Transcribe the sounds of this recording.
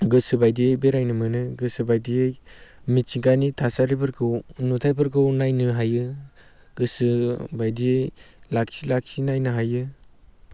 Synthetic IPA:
ɡɯsɯbajdijejbeɾajnɯmɯnɯɡɯsɯbajdijejmit͡ʃiŋkanitʰasaɾipɯɾkʰɯwnutʰajpʰɯɾkɯwnajnɯɦajɯ | ɡɯsɯbajdijejlaksilak̚sinajnɯɦajɯ

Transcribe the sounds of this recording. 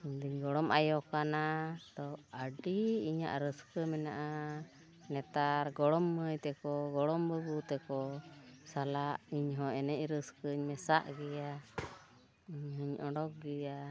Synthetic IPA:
iɲd̪iɲɡɔɽɔmʔajɔkanat̪ɔəɖiiɲa̰ʔɾəskəmɛnaʔa | nɛt̪aɾɡɔɽɔmːəjt̪ɛkɔɡɔɽɔmbəbut̪ɛkɔsalaʔiɲɦɔ̃ɛnɛcɾəskəɲmɛsaʔɡɛja | iɲɦəɲɔɖɔk̚ɡɛja

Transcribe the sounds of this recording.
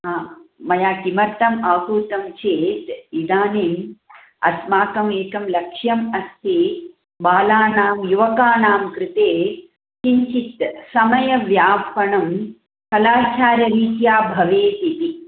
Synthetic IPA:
amɐjaːkimɐɾt̪ɐmaːkuːt̪ɐmt͡ʃeːt̪id̪aːneːm | ɐ̰smaːkɐmeːkɐmlɐkʂjɐmɐst̪ʰi | baːlaːnaːmjuʋɐkaːnaːmkɾɪt̪eː | t͡ʃiɲt͡ʃit̪sɐmɐjɐʋjaːpɐɳɐm | kɐlaːt͡ʃaːɾjɐɾiːkjaːbʱɐʋeːt̪it̪i

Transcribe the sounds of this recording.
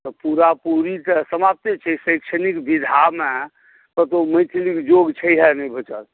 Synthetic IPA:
t̪ɔpuɾapuɾit̪əsəmap̚t̪et͡ʃʰɛsəjkt͡ʃʰənikbid̪ʱame | t̪ət̪oməjt̪ʰlikd͡ʒoɡt͡ʃʰəjɦɛnəjbʱət͡ʃət̪

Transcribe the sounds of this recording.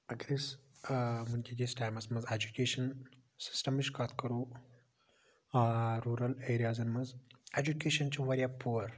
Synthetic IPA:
ɐɡɾis | munkʲeɡʲesʈaːjmɐsmɐzed͡ʒukʲeːʃɐn | sɪ̥sʈɐmiʃkat̪kɐɾu | ɾuːɾɐleːɾijazɐnmɐzed͡ʒukeʃɐnt͡ʃʰiʋɐɾʲjapʰuɐɾ

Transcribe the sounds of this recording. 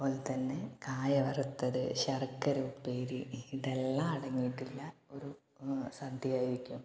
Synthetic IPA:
pːoːlt̪ɐnːekaːjɐʋɐrut̪ːɐðɨ̰ɕɐrkːɐɾupeːɾiiɽelːaːɐɽɐŋːijiʈːilːɐo̞ɾu | sɐd̪ʱijaːjiɾikʲːum

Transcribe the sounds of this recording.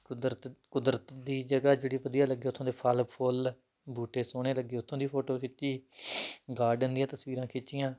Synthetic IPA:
k̪ət̪kʊd̪ɾət̪d̪iːd͡ʒəɡaːd͡ʒeːɽiːpəd̪ijaːləɡːeːʊt̪ʰõːd̪eːpʰəlpʰol | bʱuːʈeːsoːɽeːləɡːeːʊt̪ʰːõːd̪iːpʰoːʈoːkʰɪt͡ʃːiː | ɡaːɖənd̪ijãːt̪əsʋiːɾãːkʰɪt͡ʃt͡ʃɪjãː

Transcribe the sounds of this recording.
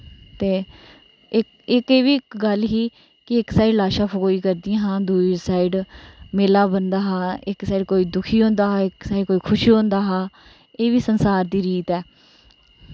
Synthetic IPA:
t̪eː | ɪk | ɪkeːʋiːɪkɡəlɦiː | kɪɪksaːiɖlaːʃaːpʰkoːiːkəɾd̪ɪãːɦãːd̪uːisaːiɖmeːlaːbənd̪aːɦãːɪksaːiːɖkoːiːd̪ʊkʰiːɦõːnd̪aːɦaːɪksaːiɖkoːiːkʰʊʃiːɦõːnd̪aːɦãː | eːʋiːsənsaːɾd̪iːɾiːt̪ɛː

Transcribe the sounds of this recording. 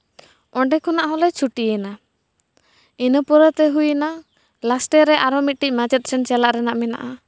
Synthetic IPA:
ɔɳɖɛkʰɔnaʔɦɔlɛt͡ʃʰuʈiɛna | inəpɔɾət̪ɛɦujna | lasʈɛɾɛʔaɾɔmit̪̚ʈic̚ˀmad͡ʒɛt̪̚t͡ʃʰɛnt͡ʃalaʔɾɛnaʔmɛna̰ʔa

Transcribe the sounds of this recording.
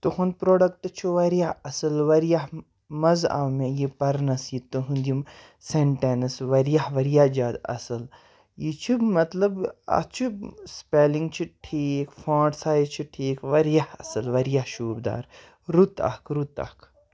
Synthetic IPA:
t̪uhun̚pɾoːɖɐkʈ̪ɨt͡ʃʰuʋɐɾjaɐsɐlʋɐɾjaɦ | mɐza̰ːwmejipɐɾnɐsjit̪uɦund̪jim | seɳʈenɐsʋɐɾijahʋɐɾjad͡ʒaːd̪ɐ̰sɐl | jit͡ʃʰumɐt̪lɐbɐ̰t͡ʃʰuspeːliŋɡt͡ʃʰiʈʰiːkʰfãːɖsaːjt͡ʃʰiʈʰiːkʋɐɾjahɐ̰sɨlʋɐɾjahʃuːbd̪a̰ːɾ | ɾut̪ɐ̰hkʰɾut̪ɐ̰kʰ

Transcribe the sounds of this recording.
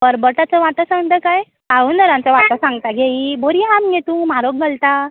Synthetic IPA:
bəɾbəʈat͡səʋat̪əsãŋɡt̪əkaj | aunəɾãnt͡saʋat̪ɔ̃sãŋɡt̪aɡeiboɾiɦamɡet̪ũːmaɾok̚ɡəlt̪a

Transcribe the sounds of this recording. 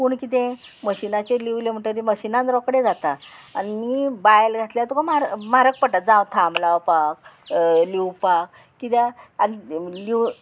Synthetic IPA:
kuːɳkit̪̬ẽ | məɕinat͡ɕeliwlem̤əɳʈəɾiməɕinãnɾɔkɽed͡zat̪a | animibajlɡʱat̪leat̪ukamaɾmaɾək̚pəʈat̪̚d͡zãwt̪ʰamlawpak̚liwpak̚ː | it̪aad̪ili

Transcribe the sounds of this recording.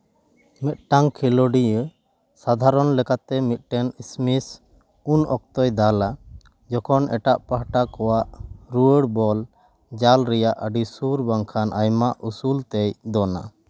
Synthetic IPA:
mɛt̪̚ʈaŋkʰiloɖiə | sad̪ʱaɾɔnlɛkat̪ɛmit̪̚ˀʈɛnismis | unɔk̚t̪ɔjd̪ala | d͡ʒɔkʰɔnɛʈaʔpaɦʈakɔwaʔɾuəɽbɔl | d͡ʒalɾɛjaʔəɖisuɾbaŋkʰanʔajmaʔusult̪ɛjd̪ɔna̰

